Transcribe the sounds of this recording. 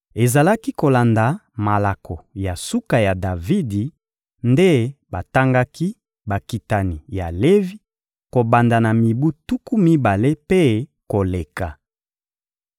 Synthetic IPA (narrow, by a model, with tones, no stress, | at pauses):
e˨za˨la˦ki˦ko˨la˨nda˨ma˨la˨kʰɔ˨ja˨su˦ka˨ja˨da˨vi˦di˨ | nde˦ba˨ta˦ŋɡa˦ki˦ | ba˨ki˨ta˨ni˨ja̰˨le˦vi˦ | ko˨ba˨nda˨na˨mi˨bu˦tu˦ku˦mi˦ba˨le˦pe˦ko˨le˨ka˨